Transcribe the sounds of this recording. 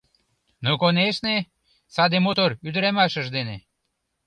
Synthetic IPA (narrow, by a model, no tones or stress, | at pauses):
nokoneʃne | sɑd̪emot̪oɾyd̪ɾæmɑʃə̆ʒd̪ene